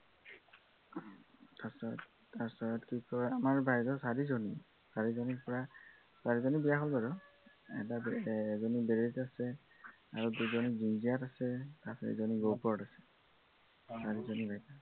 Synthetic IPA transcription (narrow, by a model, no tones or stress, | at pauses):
tasɔt | aɹsɔɹɔtkikɔɹamaɹbʱajdɔsaɹizɔni | saɹizɔnipɔɹa | saɹizɔnibijaɦɔlbaɹɔ | ɛ̰tabɛzɔnibeɹetasɛ | aɹuduzɔnizinziatasɛtasaɹḭzɔniɡowkɔɹɔtasɛ̥ | saɹizɔnibʱajta